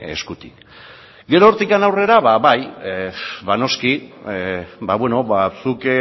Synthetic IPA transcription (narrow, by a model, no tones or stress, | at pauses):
e̞̰skut̪ik | ɡe̞ɾoːɾt̪ikanawre̞ɾaβaβaj | βano̞ski | baβwe̞no̞asuk